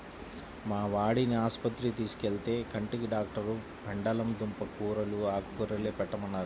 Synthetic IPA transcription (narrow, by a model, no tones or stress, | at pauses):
maːʋaːɽiniaːspɐt̪ɾit̪iːsu̥keɭt̪e̞ːkɐɳʈikiɖaːk̚ʈɐɾlu | pɐɳɖɐlɐmd̪umpɐkuːɾɐluaːkukuɾɐleːpɛʈːɐmɐnːaːɾu